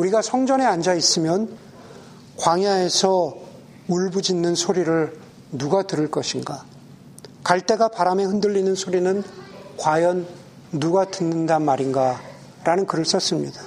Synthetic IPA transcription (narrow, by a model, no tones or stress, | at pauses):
uɾiɡasʰʌŋd͡ʑʌne̞and͡ʑais͈ɯmjʌn | kwaŋjae̞sʰʌ | muɭbud͡ʑinːɯnsʰoɾiɾɯɭ | nuɡatɯɾɯɭk͈ʌɕʰinɡa | kaɭt͈e̞ɡapaɾame̞hɯndɯʎːinɯnsʰoɾinɯnkwajʌnː | uɡatɯnːɯndanmaɾinɡa | ɾanɯnkɯɾɯɭs͈ʌs͈ɯmɲid̥a